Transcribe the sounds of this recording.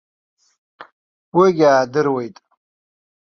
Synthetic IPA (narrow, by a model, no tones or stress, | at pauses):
weɡʲaːdɨɾwejtʼ